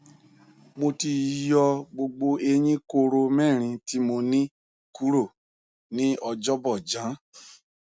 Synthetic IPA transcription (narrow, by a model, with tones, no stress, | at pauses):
mo˧ti˧jɔ˧ɡ͡bo˧ɡ͡bo˧e˧ɲ̃ĩ˦ko˧ɾo˧mɛ̃˦˨ɾ̃ĩ˧ti˦mo˧nĩ˦ | ku˦ɾo˦˨ | nĩ˦ɔ˧d͡ʒɔ˦bɔ˦˨d͡ʒã˨˦